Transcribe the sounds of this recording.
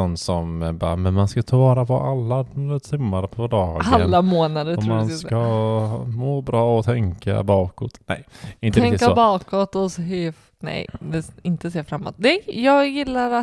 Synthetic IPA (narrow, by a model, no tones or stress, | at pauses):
ɔnsɔmbɑ̰ːmɛnmanskat̪ʰɑvɑːɾapʰɔ̰ʔalːad̪t̪ʰɪmːaɾpʰɔd̪ɑːɡaənlːamoːnad̪əɔmmanska | moːbɾɑːɔt̪ʰɛŋka̰bɑːkɔt̪nɛ̰jɪnt̪əɾɾɛŋɪtkːasobɑːkɔt̪ɔsɦ | nɛ̰jd̪ɛɪnt̪əseːɾfɾamːɔ̰t̪̚d̪ɛjɑːɡjɪlːaɾa